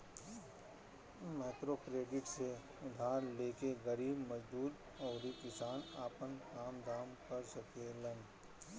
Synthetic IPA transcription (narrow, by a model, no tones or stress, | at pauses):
mɛːt̪ɾoːkɾeːɖɪʈse | ʊd̪ʱaːɾleːkeɣɐɾiːbmɐd͡ʒbuːd̪ | ɔːɾikɪsaːnaːpənkaːmd̪aːmkɐɾsɐkelɐ̃n